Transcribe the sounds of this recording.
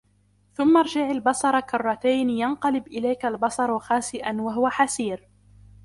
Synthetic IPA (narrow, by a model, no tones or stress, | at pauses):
θʊmːɑɾˤd͡ʒaʕalbɑsˤɑɾˤɑkʊrˤːɑt̪ajnjanqɑlɪbʔɪlajkalbɑsˤɑɾˤxaːsɪʔanwaɦʊwaħasiːɾ